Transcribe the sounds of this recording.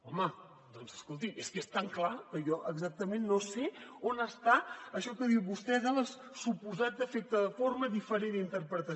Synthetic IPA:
ɔmə | d̪ɔnzəskolˠt̪̬imeskest̪aŋklakəjɔʔəɡzak̚t̪əmenːoseonəst̪aəʃɔkəðiwβust̪ɛzəlˠəs | supuzat̪̚d̪əfet̪əðəforməðifəɾenint̪əɾpɾət̪ə

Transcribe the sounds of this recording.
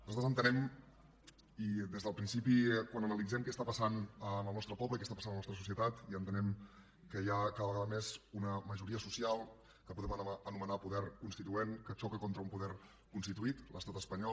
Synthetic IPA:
nuzat̪ɾzənt̪ənɛm | id̪ezðəlˠpɾinsipikwanənəlid͡zɛmkɛst̪apəsanəməlˠnɔst̪ɾəpɔβləikɛst̪apasanmlənɔst̪ɾəsusiət̪at̪iənt̪ənɛm | kəjakaðəβəɣaðəmezunəməʒuɾiəsusialˠ | kəpuðɛmənumənapuðɛɾkunst̪it̪uenkət͡ʃɔkəkont̪ɾəumpuðɛɾ | kunst̪it̪uit̪ləst̪at̪əspəɲɔ

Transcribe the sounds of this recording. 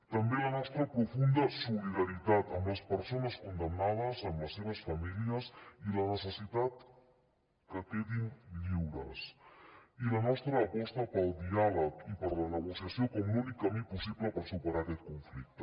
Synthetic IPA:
t̪əmbelənɔst̪ɾəpɾufund̪əsuliðaɾit̪at̪əmləspəɾsonəskund̪əmnað̞əzəmləsːeβ̞əsfamiliəsilənəsəsit̪at̪ | kəkeðinʎiwɾə̰s | ilənɔst̪ɾəːpɔst̪əpəlˠd̪ialəkipəɾlənəɣusjasiokɔmlunikːəmipusiβləpəɾsupəɾakɛt̪̚kuɱflik̚t̪ə

